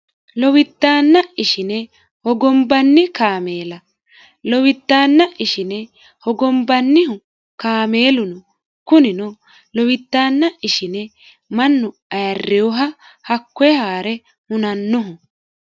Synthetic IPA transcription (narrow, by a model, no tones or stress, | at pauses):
lɔwɪt̪ːaːnːɐɪʃɪnɛ | hɔɡɔmbɐnːɪkaːmeːlɐ | lɔwɪt̪ːaːnːɐʔɪʃɪnɛ | hɔɡɔmbɐnːɪhʊ | kaːme̞ːlʊnɔ | kʊnɪnɔ | lɔwɪt̪ːaːnːɐʔɪʃɪnɛ | mɐnːʊ | ɐjɐrːɛʊɦɐ | hɐkːɔjɛhaːɾɛ | hʊnɐnːɔɦʊ